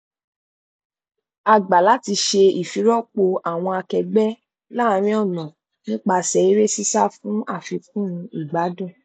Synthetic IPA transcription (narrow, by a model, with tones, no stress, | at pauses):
a˨ɡ͡ba˨la˨˦ti˧ʃe˧i˨fi˨˦ɾɔ˦k͡po˧a˨w̃ɔ̃˧a˧kɛ˧ɡ͡bɛ˦ | la˦˨˧ɾ̃ĩ˦ɔ˦˨nɔ̃˨ | nĩ˦k͡pa˧sɛ˨˦i˦ɾe˦si˦sa˦fũ˨˦a˦˨fi˧k̚ũ˦ũ˧i˦˨ɡ͡ba˨˦dũ˦˨